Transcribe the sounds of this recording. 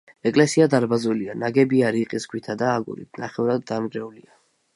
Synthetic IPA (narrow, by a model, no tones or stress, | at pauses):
ɛkʼlɛsiad̪aɾbazulianaɡɛbiaɾiqʼisɡwit̪ʰad̪aːɡṵɾḭt̪naχɛvɾad̪ːamɡɾɛulia